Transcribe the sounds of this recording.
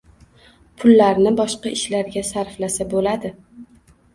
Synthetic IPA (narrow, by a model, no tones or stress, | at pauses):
pʰʊlːaɾnɪbɒʃqɑɪʃlaɾɡʲasaɾflasabolad̪ɪ